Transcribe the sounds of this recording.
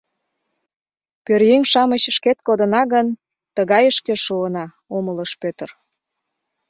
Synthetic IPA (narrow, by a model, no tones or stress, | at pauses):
pørjeŋʲʃɑməɕəʃket̪kod̪ənɑɣən | t̪əɣɑjəʃkeʃuənɑ | omələʃpøt̪ər